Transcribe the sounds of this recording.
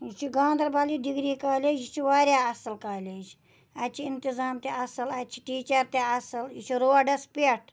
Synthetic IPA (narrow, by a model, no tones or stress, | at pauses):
t͡ʃʰiɡãːnd̪ɐɾbaːlid̪iɡɾiːkaːlʲeːd͡ʒit͡ʃʰiʋaːɾʲjaːɐsɐlkaːlʲeːd͡ʒ | at͡ʃʰiint̪izaːmt̪eɐsɨlat͡ʃʰi̥ʈiːt͡ʃɐɾt̪eɐsɐlit͡ʃʰiɾoːaɖɐspeʈ̚ʰ